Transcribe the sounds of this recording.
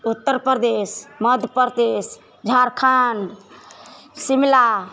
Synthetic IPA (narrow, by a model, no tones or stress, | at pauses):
ut̪ːəɾpəd̪esməd̪ʱpəɾd̪es | d͡ʒʱaɾkʰaɳɖ | simla